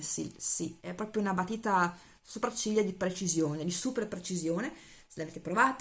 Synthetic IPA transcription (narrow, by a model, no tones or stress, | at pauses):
sḭlsiɛpːɾɔːpɾjounabat̪ːiːt̪a | supɾat͡ʃːiʎːad̪ipɾet͡ʃizjoːned̪isuperpɾet͡ʃizjoːne | selaveːt̪e̥pɾovaːt̪